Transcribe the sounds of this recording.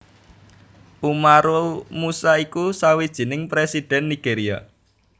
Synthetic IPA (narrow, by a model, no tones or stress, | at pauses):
umaɾomusaikusawid̥ʒ̥i̤nɪŋpɾesid̥ɛ̤nːiɡ̥eɾia̰